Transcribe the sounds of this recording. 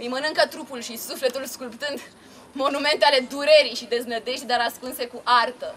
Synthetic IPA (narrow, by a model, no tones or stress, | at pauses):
ɨjmənɨŋkət̪ɾupulʃisufle̞t̪ulskulpt̪ɨnd̪ | mo̞nume̞nt̪eale̞d̪uɾeɾijʃid̪e̞znəd̪e̞ʃt̪̚ʲd̪aɾaskunse̞kuʔart̪ə